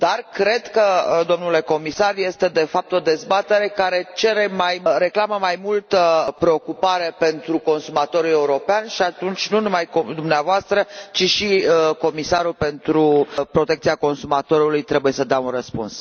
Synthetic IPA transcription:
d̪̥arkɾe̞d̪kəd̪o̞mnule̞ko̞misarje̞st̪e̞d̪e̞fap̚t̪o̞d̪e̞zbat̪e̞ɾe̞kaɾe̞t͡ʃe̞ɾe̞majɾe̞klaməmajmult̪əpɾe̞o̞kupaɾe̞pe̞nt̪ɾuko̞nsumat̪o̞ɾujeuɾo̞peanʃiat̪unt͡ʃʲnunumajkod̪umneavoast̪ɾət͡ʃiʃiko̞misaɾulpe̞nt̪ɾupɾo̞t̪ekt̪siako̞nsumat̪o̞ɾulujt̪ɾe̞buje̞səd̪eaunrəspṵns

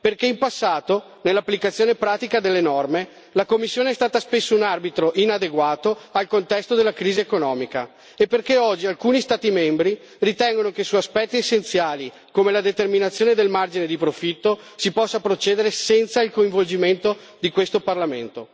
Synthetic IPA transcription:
perkeimpasːaːt̪o | nelːapːlikat̪sːjoːnepɾaːt̪ikad̪elːenɔrme | lakomːisːjoːneɛst̪aːt̪aspesːounarbit̪ɾoʔinad̪eɡwaːt̪oalkont̪ɛst̪od̪elːakɾiːziekonɔːmika | epːerkeɔd͡ʒːialkuːnist̪aːt̪imembɾi | rit̪ɛŋɡonokesuaspɛt̪ːiesːent̪sjaːli | komelad̪et̪erminat̪sːjoːned̪elmard͡ʒined̪ipɾofit̪ːo | sipɔsːapɾot͡ʃɛːd̪eɾesɛnt̪sailkoiɱvold͡ʒiment̪o | d̪ikwest̪oparlament̪o

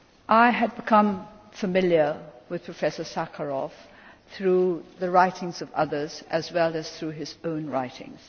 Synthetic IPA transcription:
ʔaɪɨd̚bɨkʰʌ̃ɱ | fəmɪlˠjə˞wɨð̥pʰɹ̥ɨfɛsə˞sækʰəɹɔfθɹuðɨɹaɪɾɪ̃ŋzʌvʌ̰ðə˞z̥ɨzwɛlˠɨz̥θɹʉɨzõʊ̃nɹa̰ɪɾɪ̰̃ŋz̥

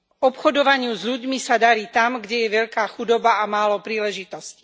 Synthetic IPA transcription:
ɔpxɔd̪ɔʋaɲɪuzʎuɟmisad̪aɾiːt̪amɡɟɛjɛʋɛʎkaːxud̪ɔbaamaːlɔpɾiːlɛʒit̪ɔsci̥

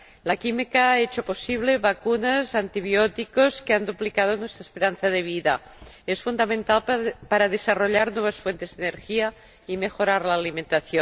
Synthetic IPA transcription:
lakimikaaet͡ʃoposiβ̞leβakunazant̪iβjot̪ikoskeand̪uplikað̞onwest̪ɾespeɾanθaðeβ̞iða̰ | esfund̪amẽnt̪alpaɾaðesaroʎaɾnweβ̞asfwent̪ezðeneɾxia | imexoɾaɾlaːliment̪aθjon

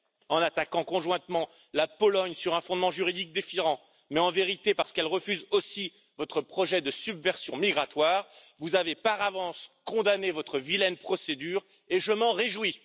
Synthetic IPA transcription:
ɑ̃nat̪akɑ̃kɔ̃ʒwɛ̃t̪mɑ̃ | lapɔlɔɲsyʁɛ̃fɔ̃d̪mɑ̃ʒyʁid̪ik̚d̪efiʁɑ̃ | mɛɑ̃veʁit̪epaʁsə̥kɛlʁəfyzosi | vɔt̪χəpχɔʒɛd̪əsybvɛʁsjɔ̃miɡʁat̪waːʁvuzavepaʁavɑ̃skɔ̃d̪anevɔt̪χəvilɛnpχɔsed̪yːʁ | eʒəmɑ̃ʁeʒwi

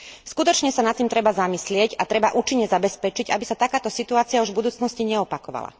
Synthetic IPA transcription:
skut̪ɔt͡ʃɲɛsanat̪ːiːmt̪ɾɛbazamislɪɛcat̪ɾɛbaʔuːt͡ʃiɲːɛzabɛspɛt͡ʃiɟabisat̪akaːt̪ɔsit̪uaːt͡sɪauʒvbud̪uːt͡snɔsciɲɛɔpakɔʋa̰la̰

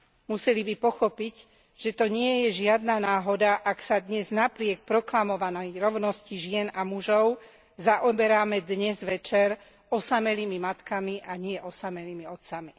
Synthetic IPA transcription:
musɛlibipɔxɔpic | ʒ̥ɛt̪ɔɲɪɛjɛʒɪad̪nanaːɦɔd̪aʔaksad̪ɲɛznapɾɪɛk̚pɾɔklamɔʋanɛjɾɔʊnɔsciʒɪɛnamuʒɔʊ | zaʔɔbɛɾaːmɛd̪ɲɛzʋɛt͡ʃɛɾ | ɔsamɛliːmimat̪kamiʔaɲɪɛʔɔsamɛliːmiɔt̪sami

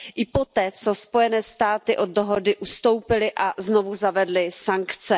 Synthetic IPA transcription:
ʔɪpo̞t̪ɛːt͡so̞spo̞jɛnɛːst̪aːt̪ɪʔo̞d̚doɦodɪʔust̪o̞wpɪlɪʔazno̞vuzavɛdlɪsaŋkt͡sɛ

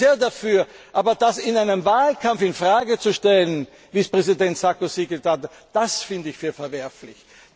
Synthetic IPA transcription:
eːɐdafyːɐʔaːbɐd̥asɪnaɪnəmvaːlkʰamfɪnfʁaːɡət͡suʃtɛlən | viːspʁ̥ɛzidɛntsakosiɡətʰat | d̥asfɪndəɪçfyːɐfɛɐvɛɐflɪ̰ç

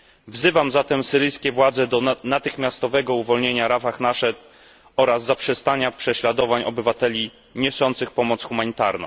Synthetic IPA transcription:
vzɘvamzat̪ɛmsɘɾɘjskʲɛvwad̪zɛd̪ɔnat̪ɘxmʲjast̪ɔvɛɡɔuvɔlɲeɲaɾafaxnaʂɛt̪ | ɔɾazːapʂɛst̪aɲapʂɛɕlad̪ɔvaɲɔbɘvat̪ɛlʲi | ɲɔsɔnt̪sɘxpɔmɔt̪sxumaɲit̪aɾnɔ̰̃

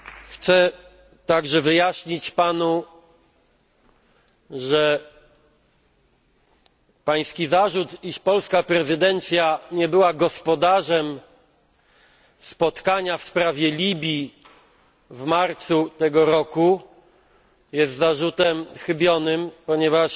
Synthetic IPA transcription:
xt̪sɛ | t̪aɡʐɛvɘjaɕɲit͡ɕpanu | ʐɛ | paj̃skʲizaʐut̪iʂpɔlskapɾɛzɘd̪ɛnt̪sʲjaɲɛbɘwaɡɔspɔd̪aʐɛm | spɔt̪kaɲafspɾavʲjɛlʲibʲji | vmaɾt̪sut̪ɛɡɔɾɔku | jɛst̪zaʐut̪ɛmxɘbʲjɔnɘmpɔɲɛvaʂ

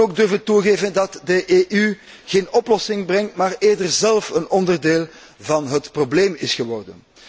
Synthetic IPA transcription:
oːɡ̚dɵrvəntuɣeːvəndɑtdəʔeːʔy | ɣeːnɔplɔsɪŋbrɛŋtmaːreːrdərzɛlˠfənɔndərdeːlˠ | vɑnɦətprobleːmɪsɣəʋɔrdə̰n

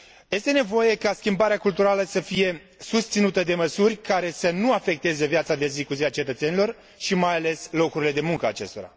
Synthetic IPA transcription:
je̞st̪e̞ne̞vo̞je̞kaskʲimbaɾeakult̪uɾaləsəfije̞ | sust̪sinut̪əd̪e̞məsurʲkaɾe̞sənuafe̞k̚t̪e̞zevjat̪sad̪ezikuziat͡ʃe̞t̪ət̪se̞nilo̞r | ʃimajale̞slo̞kuɾile̞d̪e̞muŋkəaːt͡ʃe̞st̪o̞ɾa̰

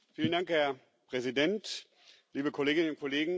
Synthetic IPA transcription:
fiːləndaŋkhɛɐ | pʁ̥ɛzidɛnt | liːbəkʰoleːɡɪnənʊnt̚kʰoleːɡŋ̩

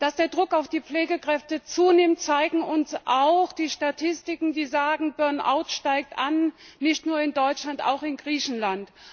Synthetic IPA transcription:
d̥asd̥eːɐdʁʊkaʊfd̥iːp͡fleːɡəkʁ̥ɛftət͡suːnɪmt̚t͡saɪɡŋ̩ʊnsʔaʊxd̥iːʃtatʰɪstɪkŋ̩diːzaːɡŋ̩bœɐnʔa̰ʊtʃtaɪk̚tannɪçtnuːɐɪndɔʏt͡ʃlanta̰ʊxɪnɡʁiːçn̩lant

